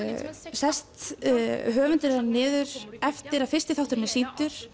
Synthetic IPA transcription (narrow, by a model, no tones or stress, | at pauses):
sɛst̪ | ɦœːvʏnt̪ʏɾanɪːðʏɾ̥ɛft̪ɪɾaðfɪrst̪ɪθawht̪ʏɾnɪsint̪ʏɾ̥